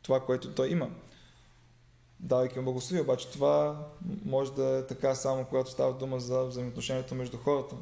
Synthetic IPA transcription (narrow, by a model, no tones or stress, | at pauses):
t̪ovakoɛt̪ot̪ɔjimə | d̪avɐjkʲiumblˠəɡoslˠoviɛobat͡ʃɛ̥t̪ova | mɔʒɛd̪ɐɛt̪ɐkasamokoɡat̪o̥st̪avɐd̪uməzɐvzɐjimot̪noʃɛniɛt̪omɛʒd̪uxɔɾət̪ə